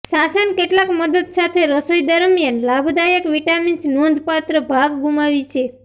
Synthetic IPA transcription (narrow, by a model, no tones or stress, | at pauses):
sasənkeʈlakməd̪əd̪sat̪ʰeɾəsojd̪əɾmijənlabʱd̪ajəkʋiʈaminsnond̪ʱpat̪ɾəbʱaɡɡumaʋit͡ʃʰe